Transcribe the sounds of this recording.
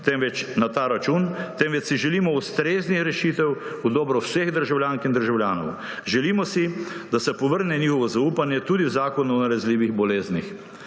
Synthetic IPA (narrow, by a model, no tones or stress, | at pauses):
t̪ɛmʋɛt͡ʃnat̪aːɾat͡ʃunt̪ɛmʋɛt͡ʃsiʒɛlimɔust̪ɾeːznixɾɛʃit̪ɛw | ud̪ɔːbɾɔwsɛɣd̪əɾʒawljaːŋkind̪əɾʒawljaːnɔ̰w | ʒɛlimɔsid̪asɛpɔʋəɾnɛniːxɔʋɔzauːpanjɛt̪uːd̪iwzaːkɔnɔnaɾɛzliːʋiɣbɔleːznix